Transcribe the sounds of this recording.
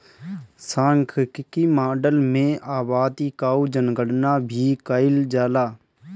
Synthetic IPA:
saːŋkʰkɪkiːmaːɖəlmẽːʔaːbaːd̪iːkaːud͡ʒənɡəɽnaːbʱiːkaɪld͡ʒaːlaː

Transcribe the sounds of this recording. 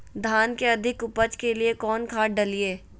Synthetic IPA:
d̪ʱaːnkeɐd̪ʱɪkʊpəd͡ʒkeliekɔːnkʰaːɖɐlieː

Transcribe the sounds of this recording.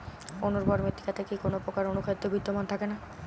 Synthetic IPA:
onoɾbɔɾmet̪ːi̥kat̪ekikonopɾokaɾonukʰaid̪ːobʱid̪ːomant̪ʰakena

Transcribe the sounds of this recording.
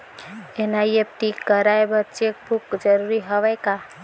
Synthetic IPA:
enajəp̚t̪ikəɾajbəɾt͡ʃek̚bʱukd͡ʒəɾuɾiɦəʋajka

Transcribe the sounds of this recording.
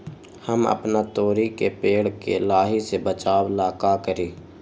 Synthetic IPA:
həmə̰pnat̪oːɾikepeːɽ̤kelaːɦisebət͡ʃaːwlaːkakəɾiː

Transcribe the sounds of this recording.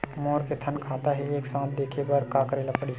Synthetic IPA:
moːɾket̪ʰənkʰaːt̪aɦɛeːksãːt̪̚d̪eːkʰepəɾkaːkɾelɐpːɽi

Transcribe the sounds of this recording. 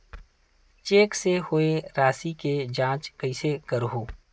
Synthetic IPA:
t͡ʃeːksehoeɾaːsiked͡ʒãːt͡ʃkɐɪsekɐɾɦoː

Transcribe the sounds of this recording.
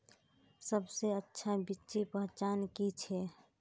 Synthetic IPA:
səbseətːʃʰabitːt͡ʃipəɦt͡ʃaːnkit͡ʃʰɛː

